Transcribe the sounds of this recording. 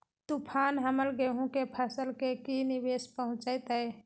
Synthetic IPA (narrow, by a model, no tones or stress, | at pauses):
t̪upʰaːnɦəməlɡeɦũkepʰəsəlkekinibeːspəɦʊ̃t͡ʃəɪt̪əe